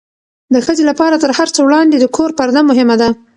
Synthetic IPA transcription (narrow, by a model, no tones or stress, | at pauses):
d̪əxəzelapɑɾat̪əɾhaɾt͡səwɽɑnd̪ed̪əkʰoɾpaɾd̪amʊɦɪmad̪a